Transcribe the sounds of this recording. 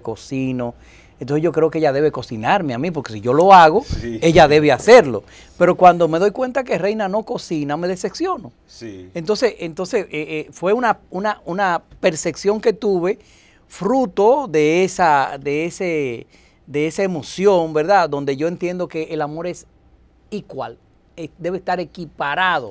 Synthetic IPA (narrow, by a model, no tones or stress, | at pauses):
ko̞sino̞ | ent̪oseʝo̞kɾe̞okeeʝaðe̞β̞e̞ko̞sinaɾmeamĩp̬o̞ɾke̞siʝolo̞aɣo̞e̞ʝaðe̞βe̞ase̞ɾlo̞̰ | pe̞ɾo̞kwand̪o̞me̞ð̞o̞jkwe̞nt̪ake̞re̞jnano̞ko̞siname̞ðese̞ksjo̞no̞ | ent̪o̞nse̞sent̪o̞nseseefwe̞unaunaunape̞ɾseksjo̞ŋke̞t̪uβe̞ | fɾut̪o̞ðe̞esad̪eese | d̪e̞esaemo̞sjo̞ŋbe̞ɾðaðo̞nd̪e̞ʝo̞e̞nt̪je̞nd̪o̞ke̞ʔːlamo̞ɾe̞s | ikwa̰l | ed̪e̞βeːst̪aɾe̞kipaɾaðo̞̰